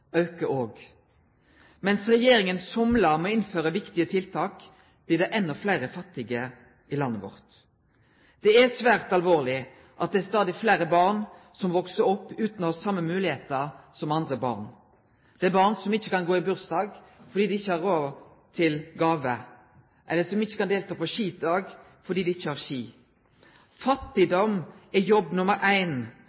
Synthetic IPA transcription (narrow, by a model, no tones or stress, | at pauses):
ɑʉkəʔoːɡ | mɛnsɾɛjeːɾɪŋənsɔmləɾmɛɪnføːɾəʋɪkt̪ɪət̪ʰɪlt̪ʰɑːk | b̥lɪːʁd̪ɛʔɛnːɔflæɪɾəfɑt̪ːɪɡə | ilɑnːəʋɔ̰ʁt̪ | d̪̥ɛæsʋæːʁt̪ɑlʋoːʁlɪ | ʔɑt̪̚d̪ɛːst̪ɑːd̪ɪflæɪɾəbɑʁn | sɔmʋɔksəɔpːʉːt̪nɔhɑsɑmːəmʉːlɪheːt̪əʁsɔmɑnd̪ɾəbɑ̰ːʁn | d̪̥ɛæbɑʁnsɔmɪçːəkɑnɡoːɪbʉɾsd̪ɑːɡfɔɾd̪iːd̪ɪɪçːəhɑɾːoː | t̪ʰɪlɡɑːʋə | ʔɛlːəsɔmɪçːəkɑnd̪eːlt̪ʰɑːpɔʃiːd̪ɑːɡ | fɔɾd̪iːd̪ɪɪçːəhɑɾʃiː | fɑt̪ːɪd̪ɔmɛjɔbːnʊməɾʔæɪn